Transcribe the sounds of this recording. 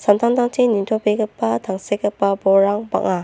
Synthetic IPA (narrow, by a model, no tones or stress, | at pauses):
sant̪ʰantʰaŋtinintʰopeɡɐpːɐtʰaŋsekɐpːɐbɔɾaŋba̰ŋa